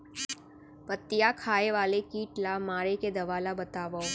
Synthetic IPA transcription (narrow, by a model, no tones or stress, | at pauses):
pət̪ːɪjakʰaːeʋaːlekiːʈlamaːɾeked̪ɐʋaːlabɐt̪aːʋo